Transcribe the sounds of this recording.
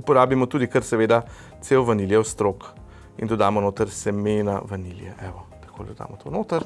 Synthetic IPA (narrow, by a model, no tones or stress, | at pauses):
upɔɾaːbimɔt̪uːd̪ikəɾsɛʋeːd̪a | t̪seːwʋɐniljɛwst̪ɾoːk | ḭnd̪ɔd̪aːmɔnoːt̪ɐɾsɛmena̰ʋɐniljɛ̰ʔɛʋɔt̪ɐ̥kʰoːlʲd̪d̪a̰ːmɔt̪ʰo̰noːt̪ɐɾ